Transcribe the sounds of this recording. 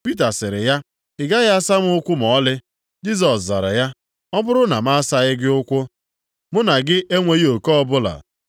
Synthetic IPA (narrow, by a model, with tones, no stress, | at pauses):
pi˦t̬a˨sɪ˨ɾɪ˨ja˦ | ɪ˨ɡa˦ɣa˦sa˦m˦ʊ˦kʷʊ˦mɔ˨˦lɪ˦ | d͡ʒi˦z̬ɔ˨sza˨ɾa̰˨ja˦ | ɔ˦bʊ˦ɾʊ˦na˨ma˦sa˦ɣɪ˦ɡɪ˦ʊ˦kʷʊ˦ | mʊ˦na˨ɡɪ˦ʔe˦ŋʷe˨ɣi˦o˨kɔ˦bʊ˦la̰˨